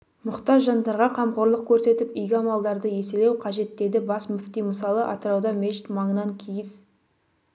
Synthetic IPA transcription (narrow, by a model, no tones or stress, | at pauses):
mʊqt̪ɑʒɑnd̪ɑɾʁɑqʰɑmqoɾlˠəq̚kʲʰɵɾse̞t̪ɪpʏjɡʲɪɑmɑlˠd̪ɑɾd̪əje̞selewqʰɑʒe̞t̪ːe̞d̪ɪbɑsmʏft̪ijməsɑlˠəʔɑ̰t̪əɾɑwd̪ɑmʲet͡ʃɪt̪mɑɴənɑŋkʲʰijɪz̥